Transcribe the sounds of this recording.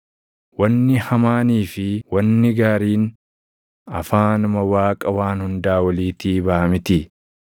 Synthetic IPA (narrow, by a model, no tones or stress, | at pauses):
wɐnːɪhɐmaːniːfɪwɐnːɪɡaːɾiːn | ɐ̰faːnʊmɐwaːkʼɐwaːnhʊnd̪aːwɐliːt̪iːbaʔɐmɪt̪ɪ